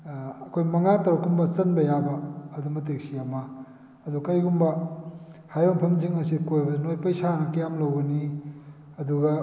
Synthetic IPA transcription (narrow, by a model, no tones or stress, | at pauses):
ɐkʰojmɐŋatɐɾɐkːumbɐt͡ʃɐnbɐjabɐɐdumbɐt̬eksiɐmɐ | ɐdukɐjɡumbɐ | hajoŋpʰɐmziŋɐsikojbɐnojpɐjsanɐkɐjamlɐwɡɐni | ɐduɡɐ